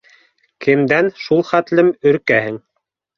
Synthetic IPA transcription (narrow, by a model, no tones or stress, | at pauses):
kʰɘ̆md̪ænʃulˠχæt̪lɘmɵ̆ɾkæhɘŋ